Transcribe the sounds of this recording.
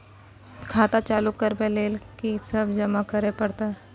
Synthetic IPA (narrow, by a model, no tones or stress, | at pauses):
kʰaːt̪at͡ʃaːlukəɾbeleːlkisɐbd͡ʒɐmakɐɾepɐɽt̪aɛ